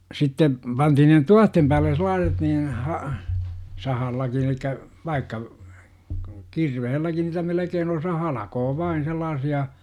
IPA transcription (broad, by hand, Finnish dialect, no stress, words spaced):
sitːe pɑntihin ne tuɑhtem pæːlˑe selˑɑːset niːn hɑ sɑhɑlːɑkin elikːæ ʋɑikːɑ kirʋehelːæki niːtæ melekeːn osɑ hɑlɑkoː ʋɑin selːɑːsiɑ